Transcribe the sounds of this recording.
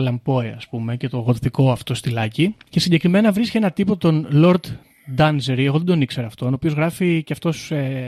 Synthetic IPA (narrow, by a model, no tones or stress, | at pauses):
lɐmpo̞eɐspume̞ce̞t̪o̞ɣot̪θiko̞ɐft̪o̞st̪ilɐcice̞siɲɟe̞kɾime̞nɐvɾiscee̞nɐt̪ipo̞t̪o̞nlo̞ɾt̪ | d̪ɐnzeɾieɣoðe̞d̪o̞nikse̞ɾɐːft̪o̞noːpio̞zɣɾɐficeɐft̪o̞se